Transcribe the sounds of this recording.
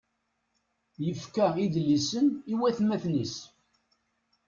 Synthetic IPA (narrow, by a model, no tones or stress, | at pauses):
jəfkæiðlisəniwæθmæθnis